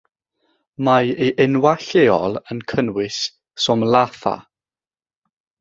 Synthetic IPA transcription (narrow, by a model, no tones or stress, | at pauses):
majeʔɪnwaɬeːɔlˠənkʰənwɪs | sɔmlˠaθa̰